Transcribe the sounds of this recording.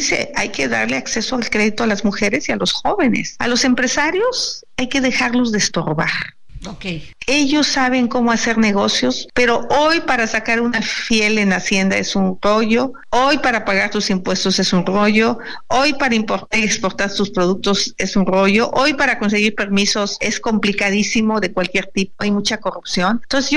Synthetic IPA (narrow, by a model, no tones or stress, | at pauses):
ise̞̰a̰jke̞ða̰ɾle̞akse̞soalkɾe̞ðit̪oalazmuxe̞ɾe̞sialo̞sxo̞βe̞ne̞̰sa̰lo̞se̞mpɾe̞saɾjo̞s | ajke̞ðe̞xaɾlo̞zðest̪o̞̰ɾβa̰ɾ | okeje̞ʝo̞sːaβ̞e̞ŋko̞mo̞ase̞ɾne̞ɣ̞o̞sjo̞spe̞ɾo̞ʔojpaɾasakaɾunafje̞lenasje̞nd̪aesunro̞ʝo̞ | ojpaɾapaɣaɾt̪usimpwe̞st̪o̞se̞sunro̞ʝo̞ | ojpaɾaimpo̞ɾt̪aɾiekspo̞ɾt̪aɾt̪uspɾoð̞uk̚t̪o̞sesunro̞ʝo̞ʔojpaɾako̞ns̬e̞ɣiɾpe̞ɾmiso̞se̞sko̞mplikaðisimo̞ðe̞kwalkje̞ɾt̪ipoajmut͡ʃako̞rupsjo̞nt̪ons̬ez